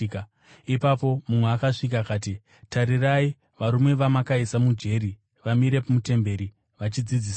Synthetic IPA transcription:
k | ipapo̞mumweakaʂik̬akaːti | taɾirai | ʋaɾumwe̞ʋamakaisamud͡ʒe̞ɾi | ʋamiɾe̞pumute̞mbe̞ɾi | ʋat͡ʃid͡zid͡ziːs

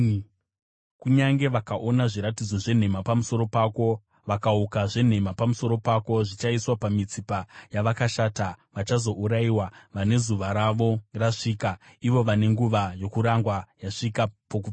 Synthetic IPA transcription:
kuɲaŋɡe̞ʋakaʔo̞naʐiɾatid͡zo̞ʐe̞n̤e̞mapamuso̞ɾo̞paːko̞ | ʋakaukaʐe̞n̤e̞mapamuso̞ɾo̞pako̞ʐit͡ʃaiswapamit͡sipajaʋakaʃaːtaʋat͡ʃazo̞ʔuɾaiwaʋane̞zuʋaɾaʋo̞raʂiːkaiʋo̞ʋane̞ŋɡuʋajo̞kuɾaŋɡwajaʂikapoku

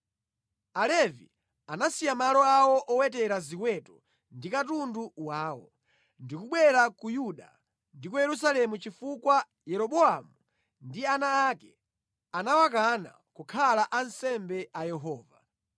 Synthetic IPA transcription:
alɛvḭ | anasijamalɔawɔʔɔwɛtɛɾazikwɛtɔ | ndikatunduwaːwɔ̰ | ndikuɓwɛɾakujuɗa̰ | ndikujɛɾus̬alɛmut͡ʃifukwa | jɛɾɔɓɔamu | ndianaːkɛ | anawak̬ana̰kukʰalaʔansɛmbɛajɛɦɔːva

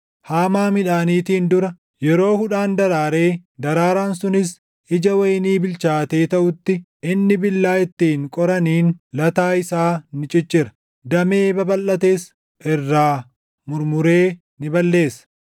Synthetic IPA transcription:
haːmaːmɪᶑaːniːt̪iːnd̪ʊɾɐ | jɛɾo̞ːhʊᶑaːnd̪ɐɾaːɾe̞ːd̪ɐɾaːɾaːnsʊnɪs | ʔɪd͡ʒɐwɐjniːbɪlt͡ʃaːt̪e̞ːt̪ɐʔʊt̪ːɪ | ʔɪnːɪbɪlːaːɪt̪ːiːŋkʼɔɾɐniːnlɐt̪aːɪsaːnɪt͡ʃʼɪt͡ʃːɪɾɐ̥ | d̪ɐmeːbɐbɐlʔːɐt̪e̞ːs | ʔɪrːaː | mʊɾmʊɾe̞ː | nɪbɐlːe̞ːsɐ̥

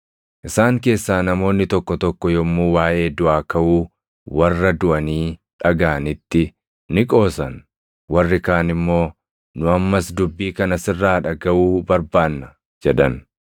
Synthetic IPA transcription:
ʔɪsaːŋke̞ːsːaːnɐmo̞ːnːɪt̪ɔkːɔt̪ɔkːɔjɔmːuːwaːʔe̞ːd̪ʊʔaːkɐʔuː | wɐrːɐd̪ʊʔɐniː | ᶑɐɡaːnɪt̪ːɪ | nɪkʼo̞ːsɐn | wɐrːɪkaːnɪmːo̞ː | nʊɐmːɐsd̪ʊbːiːkɐnɐsɪrːaːᶑɐɡɐʔuːbɐɾbaːnːɐ | d͡ʒɛᶑɐn

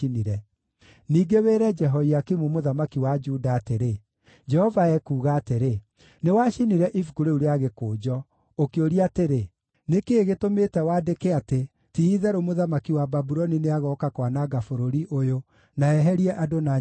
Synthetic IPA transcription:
iniɾɛ | niːɡeweːɾɛd͡ʒɛɦɔiakimumoðamakiwad͡ʒudaːteɾe | d͡ʒɛhɔvaɛkuːɣaːteɾe | newaʃiniɾɛʔifuɡuɾeuɾeaɣekoːd͡ʒɔ | okeoɾiateɾe | nekeːɣetometɛwaːdekeate | tiiðɛɾomoðamakiwababuɾɔnineaɣɔkakwanaɡafoɾoɾiʔojo | naɛɦɛɾiɛʔadona

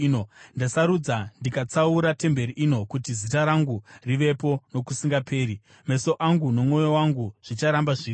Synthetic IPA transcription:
nondasaɾud͡zandikat͡sauɾate̞mbe̞ɾiʔino̞kutizitaɾaŋɡuriʋe̞po̞no̞kusiŋɡapʰe̞ːɾi | me̞so̞ʔaŋɡuno̞mŋo̞jo̞waŋɡuʐ̥it͡ʃaɾambaʐiː

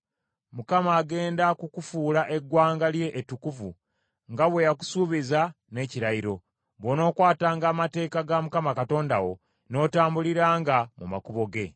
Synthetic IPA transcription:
mukamaːɡe̞ːndakukufuːlaʔe̞ɡwaːŋɡalje̞ʔːtːukuvṵ | ŋɡaβwe̞jaku̥suːβiza | ne̞ːciɾaiɾo̞ | βwono̞ːkwaːtaːŋɡaːmate̞ːkaɡamukamakato̞ːndawo̞̰ | no̞ːtaːmbuliɾaːŋɡamuma̰kuβo̞ɡe̞

